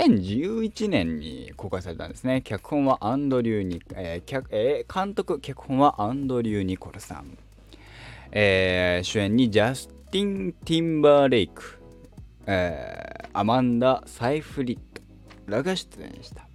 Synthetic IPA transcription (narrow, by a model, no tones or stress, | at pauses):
sẽ̞ɲ̟d͡ʑɨːit͡ɕinẽ̞ɲ̟ːḭko̞ːkaisaɾe̞t̪ã̰nd̪e̞sɨnekʲakɯ̟̥hõ̞ɰ̃βaʔãnd̪o̞ɾʲɨːɲ̟iekʲaekʰãnt̪o̞kɯ̟kʲakɯ̟̥hõɰ̃βaʔãnd̪o̞ɾʲɨːɲ̟iko̞ɾɯsã̰ŋ | eːɕɨẽ̞ɲ̟ːid͡ʑasɨ̥t̪ʲĩnt̪ʲĩmbaːɾeikɯ̟̥ | e | amãnd̪asaiɸɯ̟ɾʲit̪ːo̥ | ɾaɡaɕi̥tɨḛ̃ɲḭɕi̥t̪ḁ